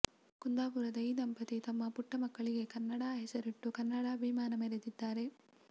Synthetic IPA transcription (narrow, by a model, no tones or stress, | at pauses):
kund̪aːpuɾɐd̪ɐjd̪ɐmpɐt̪it̪ɐmːɐpuʈːɐmɐkːɐɭiɡe̞kɐnːɐɽaːɦesɐɾiʈːukɐnːɐɽaːʋimaːnɐmeɾed̪id̪ːaːɾe̞